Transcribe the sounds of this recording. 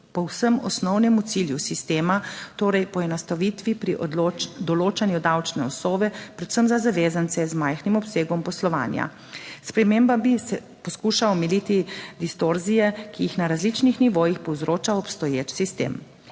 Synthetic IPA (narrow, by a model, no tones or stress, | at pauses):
pɔwsəmɔ̰snɔwnɛmut̪siljusist̪eːmat̪oːɾɛjpɔɛnast̪aʋit̪ʋipɾiʔd̪ɔloːt͡ʃanjud̪awt͡ʃnɛɔsoːʋɛpɾɛt̪səmzazaʋeːzant̪sɛzmajxnimɔpseːɡɔmpɔslɔʋa̰ːnja̰ | spɾɛmeːmbabisɛ | pɔskuʃaɔmɛlit̪id̪ist̪oɾzijɛkijixnaɾazlit͡ʃnixniʋoːjixpɔwzɾoːt͡ʃaɔpst̪ɔjeːt͡ʃsist̪ḛːm